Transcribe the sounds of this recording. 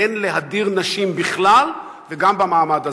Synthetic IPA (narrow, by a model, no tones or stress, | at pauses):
enleɦad̪iʁnaʃimbiχlal | veɡambamaːmad̪a